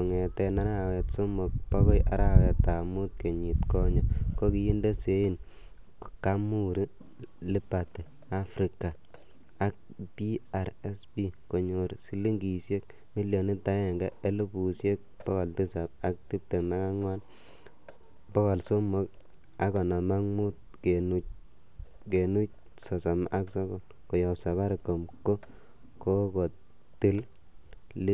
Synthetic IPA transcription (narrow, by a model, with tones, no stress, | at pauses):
ɔ˨ŋɛ˨tɛ˧na˦ɾa˦wɛ˨tso˦mo˨k̚pɔ˦kɔ˦jʔa˦ɾa˨wɛ˨tːa˨mu˦t̚ke˨ɲi˨tkɔ˦ɲɔ˨ko˦ki˦ji˦nde˦se˦i˦n | ka˦mu˦ɾi˦ | li˦pa˨tɛ˨ | a˦fɾi˨ka˨ | a˦k̚pi˦a˨ɾɛ˦sbi˦ko˨ɲo˨ɾsi˦li˦ŋɡi˨sje˦k̚ | mi˦ljɔ˨ni˦ta˦jɛ˨ŋɡa˦e˦lbu˨sje˦k̚pɔ˦kɔ˨lti˦sa˨b̚a˦k̚ti˦p̚te˨ma˦ka˦ŋwa˦n | bɔ˦kɔ˨lso˦mɔ˦k | a˨kɔ˨na˨ma˦ŋmu˦t̚ke˨nu˦ | ke˨nu˦t͡ʃ | sɔ˨sɔ˨m˦ʔa˦ksɔ˦ɡɔ˦n | ko˨jɔ˨psa˨βa˦ɾko˨mko˦ | ko˦kɔ˨ | ti˦l | l